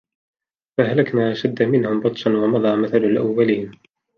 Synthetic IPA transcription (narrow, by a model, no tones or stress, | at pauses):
faɦalakmaːʔaʃad̪ːamɪnhʊmbɑt̪ˤʃɑnwɑmɑd̪ˤɑːmaθalalʔawːaliːn